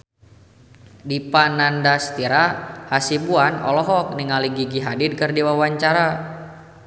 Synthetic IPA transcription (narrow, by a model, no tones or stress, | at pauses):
dipanandast̪iɾahasibuanɔ̰lɔɦɔk̚niŋaliɡiɡiɦadidkərdiwawaɲt͡ʃaɾa